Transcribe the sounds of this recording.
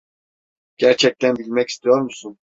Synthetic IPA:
ɟ̥æɾt͡ʃʰɛc̚t̪ʰænbilʲmɛci̥st̪ʰijo̞ɾmusun

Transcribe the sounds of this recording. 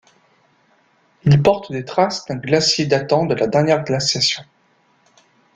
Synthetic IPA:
ilpɔʁt̪d̪et̪χasd̪̥ɛ̃ɡlasjed̪at̪ɑ̃d̪əlad̪ɛʁnjɛʁɡlasasjɔ̃

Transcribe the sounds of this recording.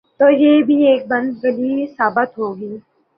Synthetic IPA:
t̪oːjeːbʱieːk̚bɐ̃nd̪ɡəliːsaːbət̪ɦoːɡiː

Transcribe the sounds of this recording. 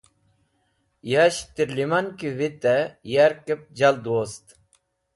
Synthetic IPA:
jaɕt̪iɾlimankivit̪ɛjaɾkəp̚d͡ʑald̪ost̪

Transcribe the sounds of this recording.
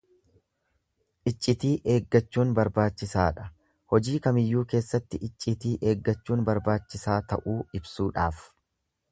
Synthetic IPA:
ʔɪt͡ʃʼːɪt̪iːʔe̞ːɡːɐt͡ʃːuːnbɐɾbaːt͡ʃːɪsaːᶑɐ̥ | hɔd͡ʒiːkɐmɪjːuːke̞ːsːɐt̪ːɪʔɪt͡ʃʼːɪt̪iːʔe̞ːɡːɐt͡ʃːuːnbɐɾbaːt͡ʃːɪsaːt̪ɐ̰ʔuːɪbsuːᶑaːf

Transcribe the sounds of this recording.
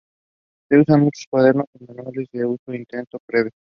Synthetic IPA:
seusanmut͡ʃo̥skwaðeɾnokonmanwalezdeusoint̪ent̪opɾeβje

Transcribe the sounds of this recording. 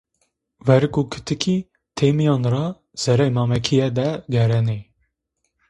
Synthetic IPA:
vɛɾɨkukʰɨ̥t̪ʰɨkʰi | t̪ʰeːmijɑːnɾɑː | z̥ɛɾɛjmɑːmɛkʰijɛd̪ɛɡɛɾɛne

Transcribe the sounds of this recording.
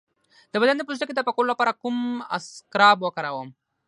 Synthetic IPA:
d̪əbad̪and̪əpuzʈaked̪əpakoɾulapɑɾakuma̰skɾɑbwakaɾawəm

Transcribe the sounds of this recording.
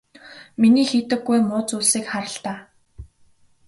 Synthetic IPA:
miniːxiːt̪ɘ̆ɡːujmʊːt͡suːɮsiːkχaɾə̆ɬt̪aː

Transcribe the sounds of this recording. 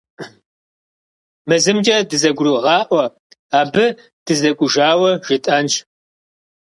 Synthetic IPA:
mɨzɨmd͡ʒʼɐdɨzɐɡʷʊruʁɑːʔʷɐ | aːbɨ | d̥ɨzɐɡʷʊʒaːwɐʒ̥ɪtʼɐnʃ

